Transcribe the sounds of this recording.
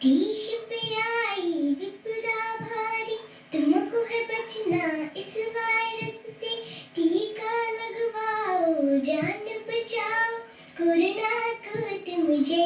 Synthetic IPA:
d̪iːʃɪpɐjaːid̪ipʊd̪aːbʱaːɾi | t̪ʊmkoɦebɐt͡ʃnaɪsʋaːjɾɐsːet̪iːkalɐɡʋaːod͡ʒaːnd̪əbɐt͡ʃaːo | koɾnakət̪emʊd͡ʒʱe

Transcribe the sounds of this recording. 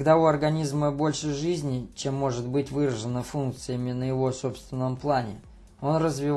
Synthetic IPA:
ɡd̪auɐrɡɐnʲizməbo̞lʲʂɨʐɨzʲnʲɪt͡ɕe̞mːo̞ʐɨt̪̚bɨtʲvɨɾəʐɨnəfunk̚t̪sɨjəmʲɪnəjɪvo̞so̞pst̪vʲɪnːəmplˠanʲɪ̰ | o̞nrəzvʲɪ

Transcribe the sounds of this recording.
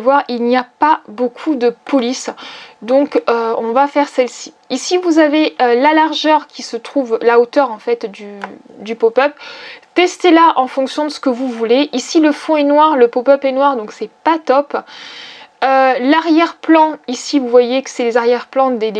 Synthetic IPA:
vwaʁilniapabokʰud̪əpɔlisd̪ɔ̃køɔ̃vafɛʁsɛlsi̥ | isivuzaveølalaʁʒœʁkʲisət̪χuvlaot̪œʁɑ̃fɛt̪d̪yd̪ypopœplt̪ɛst̪elaʔɑ̃fɔ̃ksjɔ̃d̪əsə̥kəvuvuleʔisiləfɔ̃ɛnwaʁləpopœplɛnwaʁd̪ɔ̃ksɛpat̪ɔp | ølaʁjɛʁplɑ̃isivuvwajekə̥sɛlezaʁjɛʁplɑ̃d̪e

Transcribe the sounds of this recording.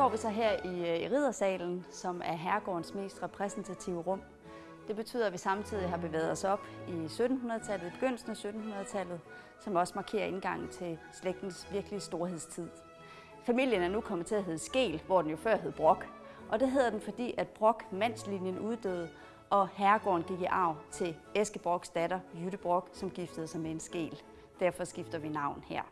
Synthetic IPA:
ɡ̥ɒ̰ːʋisɒ̽ɦɛɐ̰iʁið̞̰ˠɐsɛ̰ːln̩sɒ̽mæɐɦæɐɡ̥ɒ̰ːnsme̝̰ːsd̥ʁɛpʰʁɛsn̩t͡sʰæt͡sʰiʊəʁɔ̽m̰ | d̥e̝b̥e̝t͡sʰy̰ːð̰ˠɐæʋisɑ̈mt͡sʰið̞ˠiɦɑ̈b̥e̝ʋɛ̰ːð̞̩ˠɒ̽sɒ̽b̥isød̥n̩hunɐð̞ˠt͡sʰæl̰ð̩ˠib̥e̝ɡ̥øn̰l̩sn̩æsød̥n̩hunɐð̩ˠt͡sʰæl̰ð̩ˠ | sɒ̽mɒ̽sə̥mɑ̈kʰe̝̰ːɐe̝nɡ̥ɑ̈ŋ̰n̩t͡sʰe̝sleɡ̥̚d̥n̩sʋiɐɡ̥əlisd̥o̝ɐhe̝ð̰ˠst͡sʰið̰ˠ | fæmil̰jənæɐnukʰɒ̽mð̩ˠt͡sʰe̝æɦe̝ð̩ˠsɡ̥e̝̰ːlʋɒ̰d̥enjo̝fɶɐ̰ɦeð̞̩ˠb̥ʁɔ̽ɡ̥ | ʔɒ̽d̥e̝ɦe̝ð̰ˠɐd̥enfɒ̽d̥ḭːæd̥̚b̥ʁɔ̽ɡ̥mæn̰slinjənuðˠd̥ø̰ːð̩ˠ | ʔɒ̽hæɐɡ̥ɒ̰ːnɡ̥iɡ̥iʔɑ̈ʊt͡sʰe̝l | esɡ̥əb̥ʁɔ̽ɡ̥sd̥æɾɐjyɾ̥əb̥ʁɔ̽ɡ̥sɒ̽mɡ̥ifd̥ð̞̩ˠsɑ̈ɪmee̝nsɡ̥e̝̰ːl | d̥æɐfɒ̽sɡ̥ifd̥ɐʋinɑ̈ʊ̰nhæɐ̰

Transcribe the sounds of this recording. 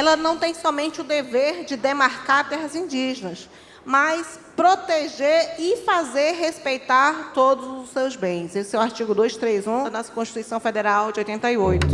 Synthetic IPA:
ɛlɐnɐ̃w̃t̪ẽj̃sɔmẽnt͡ʃɪʊd̪eveɾd͡ʒɪd̪emaɾkaɾt̪ɛɦɐzĩd͡ʒiʒenɐs | majs | pɾot̪eʒeɾɪfazeɾɦespejt̪aɾt̪od̪ʊzʊsewzbẽj̃sesewaɾt͡ʃiɡʊd̪ojst̪ɾejzũnɔsɐkõʃt͡ʃit̪uijsɐ̃w̃fed̪eɾawd͡ʒɪojt̪ẽnɐiojt̪ʊ

